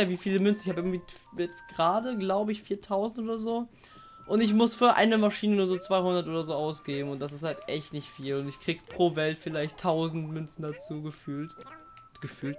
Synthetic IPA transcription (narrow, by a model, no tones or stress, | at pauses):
aviːfiːləmʏnt͡ssn̩ɪçhaːbɪɡŋ̩tv̥iːjɛt͡stɡ̥ʁaːdəɡlaʊbəɪçfiːɐtʰaʊzn̩tʔoːdɐzoː | ʔʊntɪç̬mʊsfyːɐʔa̰ɪnəmaʃiːnənuːɐzoːt͡sv̥aɪhʊndɐtʔoːdɐzoːʔaʊsɡ̥eːbm̩ʊntd̥as̬ɪsthaltʔɛçtnɪçtfiːlʊntɪçkʁ̥iːɡəpʁ̥oːvɛltfɪlaɪçtʰːaʊzn̩tmʏnt͡sn̩dat͡suːɡəfyːlt | ɡ̥əfyːlt